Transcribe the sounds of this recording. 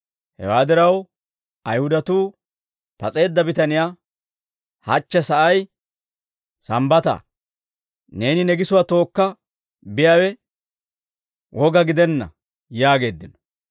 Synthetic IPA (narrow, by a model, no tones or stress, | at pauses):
hɛ̰waːd̪ɪɾɐw | ɐjhʊd̪ɐt̪uː | pɐt͡sʼe̞ːd̪ːɐbɪt̪ɐnɪjaː | hɐt͡ʃːɛsɐʔɐj | sɐmbɐt̪ɐ̰ː | ne̞ːnɪnɛɡɪsʊwat̪o̞ːkːɐ | bɪjaːwɛ | wʔɔɡɐɡɪd̪ɛnːɐ̰ | jaːɡe̞ːd̪ːɪnɔ̥